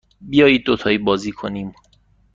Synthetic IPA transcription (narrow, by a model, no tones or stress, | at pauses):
bijɒːjiːd̪̚ːot̪ʰɒːiːbɒːziːkʰoniːm